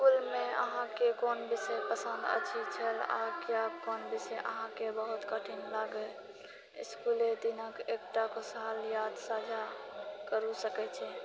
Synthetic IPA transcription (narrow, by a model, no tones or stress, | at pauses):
skulmẽə̰ɦãkekonbisɛpəsə̃nd̪ə̰t͡ʃʰit͡ʃʰəla̰kjakonbisɛʔə̰ɦãkebəɦut̪kəʈʰinlaɡə̰ | skuled̪inəkekʈakosaljad̪sad͡ʒʱakəɾusəkɛt͡ʃʰɛ